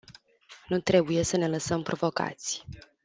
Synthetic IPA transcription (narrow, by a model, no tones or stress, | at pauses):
nut̪ɾe̞buje̞səne̞ləsəmpɾʔo̞vo̞ka̰t̪sʲ